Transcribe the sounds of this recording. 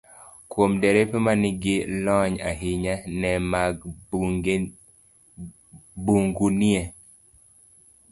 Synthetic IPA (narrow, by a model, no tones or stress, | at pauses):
kwomdɛɾɛpemanɪɡɪlɔɲa̰ɦiɲanɛmaɡ | buŋɡuniɛ